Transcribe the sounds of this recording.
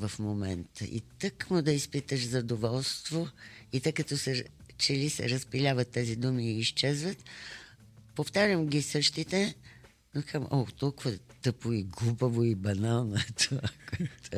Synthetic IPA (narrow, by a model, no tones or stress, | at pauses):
vɐfmomɛnt̪ʰə̰ʔḭt̪əkmod̪ɐispit̪əʃzɐd̪ovɔlˠst̪voit̪əjkɐt̪ɔsɛt͡ʃɛlisɛ̰ɾəspilʲavɐt̪ːɛzid̪umiːʃt͡ʃɛzvət̪ | poft̪aɾʲəmɡʲisəʃt̪it̪ɛ | nokamʔɔt̪ɔlˠkʊvəɛt̪ɤpoiɡlˠubəvoibɐnalˠnoɛt̪ʰovakt̪